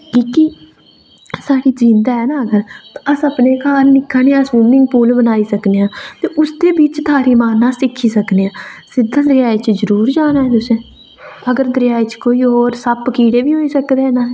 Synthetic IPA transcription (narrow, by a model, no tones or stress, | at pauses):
kiːki | saːɽiːd͡ʒĩːnd̪aːɦɛːnãːəɡəɾt̪əsəpneːkʰaːɾnɪkʰːaːneãːsʋuːmnɪ̃ŋɡ̚puːlbənaːiːsəkneːãːt̪eːʔʊsd̪eːbiːt͡ʃt̪ʰaːɾiːmaːnãːsɪkʰːiːsəkneːãːsɪd̪ʱãːd̪ɾɪjaːit͡ʃzəɾuːɾd͡ʒaːnaːɦɛːt̪ʊsẽː | əɡəɾd̪əɾɪjaːiːt͡ʃkoːiːoːɾsəpkiːɽeːʋiːɦoːiːsəkd̪enaː